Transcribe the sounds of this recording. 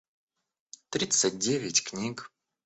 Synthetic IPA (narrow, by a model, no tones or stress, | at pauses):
t̪ɾʲit̪sət̚ʲdʲevʲɪtʲknʲik